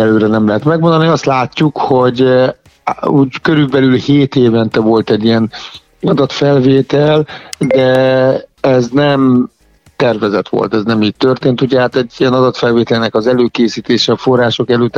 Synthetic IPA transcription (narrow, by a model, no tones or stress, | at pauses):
ɛløːɾɛnɛmlɛɦɛt̪mɛɡmond̪ɒniɒst̪laːcːukho̞ɟ | uːɟkøɾylbɛlylheːt̪eːvɛnt̪ɛvo̞lt̪ɛɟːijɛn | ɒd̪ɒt̪fɛlveːt̪ɛld̪ɛ | ɛznɛm | t̪ɛrvɛzɛt̪ʋo̰lt̪ɛznɛmiːtt̪ørt̪eːnt̪uɟɛɦaːt̪ɛɟːiɛnɒd̪ɒt̪fɛlveːt̪ɛlnɛkɒzɛløːkeːsiːt̪eːʃɛːfo̞rːaːʃo̞kɛløːt̪ː